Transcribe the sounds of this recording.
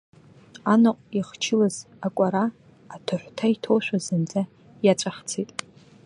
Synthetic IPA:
anɨqʷʼiχt͡ʃʰɪlaz̥ | akʷʼaɾaː | tʰaħʷtʰaitʰoʃʷᶣazɨnd͡zʼa | jat͡ʃʷʼaχt͡sʰejtʼ

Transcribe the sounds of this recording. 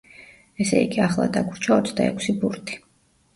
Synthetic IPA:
ɛsɛ̰ḭɡiaχlˠa̰d̪aɡuɾt͡ʃʰaɔt̪sʰd̪aɛ̰kʷʰsibuɾt̪ʰʼi̥

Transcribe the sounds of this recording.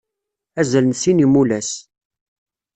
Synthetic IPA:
æzælənsinimulæs

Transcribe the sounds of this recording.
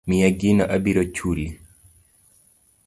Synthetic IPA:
mɪjɛɡinɔʔabiɾot͡ʃuli

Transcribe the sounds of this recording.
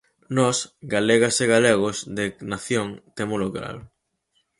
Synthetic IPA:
nɔsɡaleɣɐseɣaleɣʊsðenaθjoŋt̪emolokɾa̰l

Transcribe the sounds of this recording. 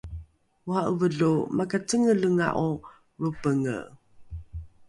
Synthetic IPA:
uhaʔuvəɮumakat͡səŋəɮəŋa̰ʔu | ɾupəŋə̰

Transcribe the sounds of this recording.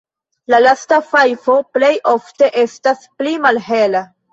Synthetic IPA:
lalastafajfo̞ple̞jʔo̞fte̞ʔe̞stasplimalɦe̞la

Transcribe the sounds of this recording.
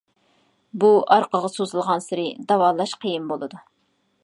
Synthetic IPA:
buɑɾqəʁɑsozɨlˠʁɑnsɪɾɪd̪ɑwɑlˠɑʃqʰijimbolˠɨd̪u

